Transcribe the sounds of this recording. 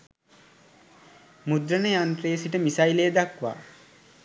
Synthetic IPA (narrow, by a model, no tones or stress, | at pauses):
mud̪ɾənəjant̪ɾejsiʈəmisajlejəd̪akʋa̰ː